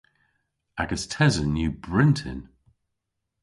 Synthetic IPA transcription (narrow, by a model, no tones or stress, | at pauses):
aɡəstʰɛzənːjʉːbɹɪ̃ntʰə̰̃n